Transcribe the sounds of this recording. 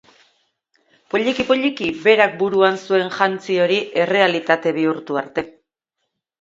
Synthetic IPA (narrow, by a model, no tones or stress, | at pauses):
po̞ʎikipo̞ʎikibe̞ɾak̚buɾuansue̞nʝant͡sio̞ɾiʔe̞re̞alit̪at̪e̞β̞iuɾt̪uaɾt̪e̞